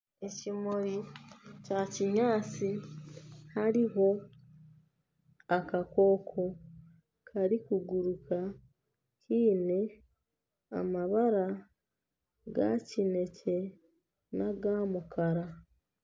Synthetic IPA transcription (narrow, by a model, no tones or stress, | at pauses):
e̞cimoɾicaciɲaːt͡si | haɾiɦo̞ | akako̞ːkʰo̞ | kʰaɾikuɡuɾukʰa | cʰiːne̞ | a̰maβaɾa | ɡa̰cine̞ce̞ | naɡaːmukaɾa